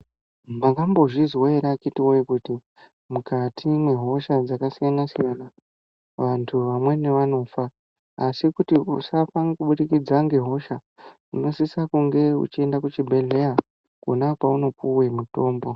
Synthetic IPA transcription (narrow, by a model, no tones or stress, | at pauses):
makambo̞ʐizwoeɾakitiwoekuti | mukatʰimwe̞ɦo̞ʃad͡zakasijanasijana | ʋantʰuʋamwe̞ne̞ʋano̞faː | sikutiusafanikuɓuɗikid͡zaŋɡe̞ɦo̞ʃa | uno̞sisakuŋɡe̞ṵt͡ʃie̞ndakut͡ʃibʱe̞ɮe̞ja | kunakwauno̞p̚uwemuto̞ːmbo̞